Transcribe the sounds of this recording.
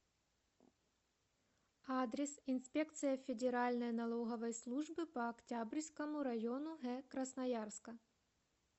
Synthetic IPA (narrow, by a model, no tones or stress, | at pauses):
ad̪ɾʲɪsinsʲpʲek̚t̪sɨjɐfʲɪdʲɪɾalʲnɐjnɐlˠoɣɐvɐjslˠuʐbɨpɐːktʲabɾʲskɐmʊɾɐjonʊɦɛkɾɐsnɐjarskɐ